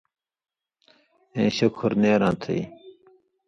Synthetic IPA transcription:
ẽːɕɐkʰuɾneːɾãːt̪ʰɐ̰i

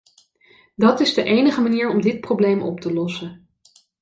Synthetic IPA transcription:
dɑtɪzdəʔejnəχəmaniːɹɔmdɪt̚prowblejmʔɔ̰ptəlɔsə

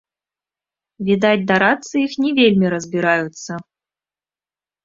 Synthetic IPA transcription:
vʲid̪at̚ʲd̪aɾat̪səixnʲɛvʲelʲmʲiɾəzbʲiɾajut̪sə

